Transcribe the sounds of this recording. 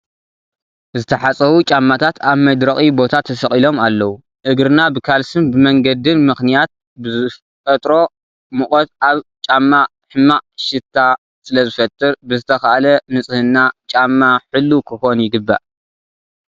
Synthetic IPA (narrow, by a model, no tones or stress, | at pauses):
zɨt̪ʰɐħat͡sʼɐwut͡ʃʼamːat̪ʰat̪ʰaβmɐd̪ɾɐkʼibo̞t̪ʰat̪ʰːɐsɐχʼilo̞malːɐwu | ʔɨɡɾɨnabɨkʰalsɨnbɨmɐŋɡɐd̪ɨnmɨxnijat̪̚ | bɨ | fʼɐt̪ʼɾo̞ | mɨxʼot̪aβt͡ʃʼamːa | ħɨmːaʃɨt̪ʰːa | sɨlɐzɨfɐt̪ʼːɨɾbɨzɨt̪ʰɐxɐʔalɐnɨt͡sʼɨhɨnːat͡ʃʼamːaħɨlːukʰɨxonjɪɡɨbːa̰ʔ